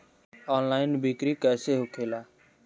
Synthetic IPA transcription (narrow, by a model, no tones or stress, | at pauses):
aːnlaːɪnbiːkɾiːkɛːseːɦʊkʰeːlaː